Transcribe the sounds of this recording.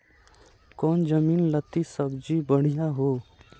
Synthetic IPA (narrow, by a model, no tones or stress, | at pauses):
kɔːnd͡ʒəmiːnlət̪isəbd͡ʒibəɽ̤ijaɦoː